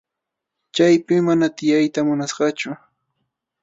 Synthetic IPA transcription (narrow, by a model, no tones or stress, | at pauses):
t͡ʃajpɪːanat̪ɪjajt̪amʊnasɢɑt͡ʃʊ